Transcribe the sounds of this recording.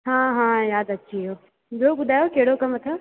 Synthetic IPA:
ɦãːɦãːjaːd̪ɐtːʃʰiɦɐjo | d͡ʒoːbʊd̪ʱaːjokeɦɽokɐmɐt̪ʰjoː

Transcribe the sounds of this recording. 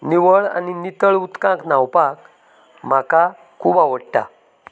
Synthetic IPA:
niʋəɭa̰ninit̪əɭut̪kãknawpak | m̤aka | kʰuːbaʋəɽʈa̰

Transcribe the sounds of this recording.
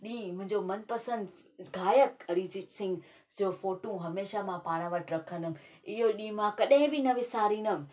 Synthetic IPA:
ɗĩːmʊ̃ɦɪ̃ɲd͡ʑomɐnpəsə̃nd̪ | ɡʱaːjəkɐɾid͡ʑit͡ɕsɪ̃ŋɡ | d͡ʑofoːʈũɦɐmeːʃamãpaːɽ̃əʋəʈɾɐkʰə̃nd̪ʊm | ɪɦoɗĩːmãkɐɗɦɪ̃bɪnɐʋɪsaːɾĩːnʊm

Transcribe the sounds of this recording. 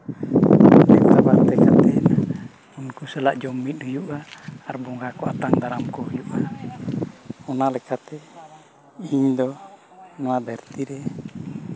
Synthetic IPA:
dɛkt̪abat̪ɛkat̪ɛna | munkusɛlaʔd͡ʒɔmidujuʔaːrbɔŋɡakuat̪aŋdaɾamkɔjuʔa | ɔnalɛkat̪ɛ | hiɲd̪ɔ | nɔad̪ɛrt̪idɛ

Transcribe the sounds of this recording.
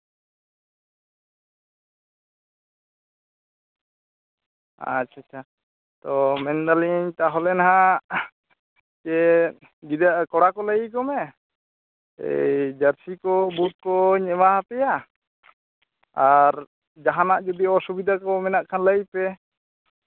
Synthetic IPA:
a̰t͡ʃʰat͡ʃʰa | t̪ɔmɛnd̪aliɲt̪aɦɔlɛnɦã | kɛ | ɡid̪akɔɽakɔləɡikɔmɛ | ɛ̰jd͡ʒəɾsikɔbut̪̚kɔɲɛmaɦapɛja | aɾ | d͡ʒaɦanaʔd͡ʒud̪iɔsubid̪ʱakɔmɛnaʔkʰanləipɛ

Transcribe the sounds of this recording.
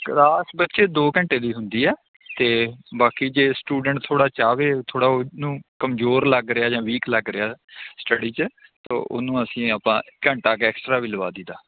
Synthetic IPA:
kɾaːsbətːʃeːd̪oːkə̃ɳʈeːd̪iːɦʊnd̪iːɛː | t̪eːbaːkiːd͡ʒeːsʈuːɖəɳʈt̪ʰːoːɽaːt͡ʃaːʋeːt̪ʰoːɽaːnũːkəmzoːɾləɡɾɪaːd͡ʒãːʋiːkləɡɾɪaːsʈəɽiːt͡ʃət̪o̰ːʔʊ̰nũːəsĩːəpãːkəɳʈaːkeɛːksʈɾaːʋiːləʋaːd̪iːd̪aː

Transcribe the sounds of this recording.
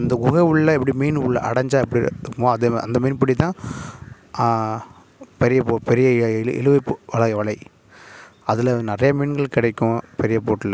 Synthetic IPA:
ɐnd̪ɐɡʊɣɐʊɭːɐɛp̬ːɐɽimeːnʊɭːɐ̰ʔɐ̰ɽɐɲd͡ʒaːɛp̬ːɐɽikːmoːɐðeɐ̰nd̪ɐmeːnpɐɽit̪ːãː | pɛɾɪjɐpoːpɛɾɪjɐɪ̰lɯʋɐɪpːʋɐɭɐɪʋɐɭɐɪ | ɐðɪlnɪɾɐjɐmiːnɡɐɭkɪɽɐɪkʲːʊ̃pɛɾɪjɐpoːʈːɪlːɐ

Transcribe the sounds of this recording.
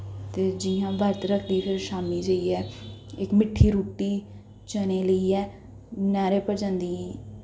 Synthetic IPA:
t̪eːd͡ʒiːãːbəɾt̪ɾəkʰd̪iːpʰɪɾʃaːmiːd͡ʒəiːɛːɪkmɪʈʰːiːɾuːʈːiː | t͡ʃəneːləiːɛː | nɛːɾeːpəɾd͡ʒãːnd̪iːɛ

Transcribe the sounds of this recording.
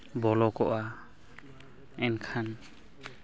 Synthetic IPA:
bɔlɔkɔʔa | ɛnkʰan

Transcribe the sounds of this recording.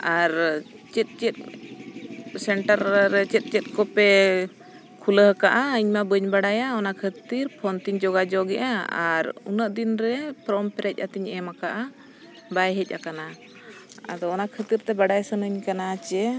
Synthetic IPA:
aɾ | t͡ʃɛt̪̚t͡ʃɛt̪̚ | sɛɳʈaɾɾɛt͡ʃɛt̪̚ˀt͡ʃɛt̪̚kɔpɛ | kʰuləɦəkaʔaəɲmabəɲbaɽajaɔnakʰət̪iɾpʰɔnt̪iɲd͡ʒɔɡad͡ʒɔɡɛʔaaɾṵnəʔd̪inɾɛpɾɔmpɛɾɛc̚ˀat̪iɲɛmakaʔa | bajɦɛc̚ˀʔa̰kana | a̰d̪ɔːnakʰət̪iɾt̪ɛbaɖajsənəɲkanat͡ʃɛ

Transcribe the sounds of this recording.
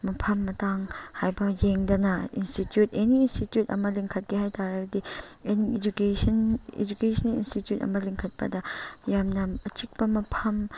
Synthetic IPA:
mɐpʰɐmːɐtaŋhajbɐjeŋdɐnɐinstitjuteniːnstitjutɐ̰mɐliŋkʰɐt̚ɡihajtʰaɾɐɡɐdieniid͡ʒukesɐnḛd͡ʒukesʰɐnḭnstitjutɐ̰mɐliŋkʰɐt̚pɐdɐjamnɐɐt͡ʃik̚pɐmɐpʰɐm

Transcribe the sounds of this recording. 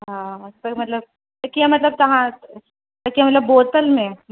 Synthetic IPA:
ɦãt̪əmɐt̪ləb̚ | t̪ɐkiamɐt̪ləb̚t̪ɐɦã | t̪ɐkiamɐət̪ləbːoːt̪əlmẽ

